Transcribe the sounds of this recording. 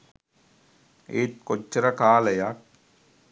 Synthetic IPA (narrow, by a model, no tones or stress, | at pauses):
eːt̪̚kot͡ʃːɐɾɐkaːlɐjak̚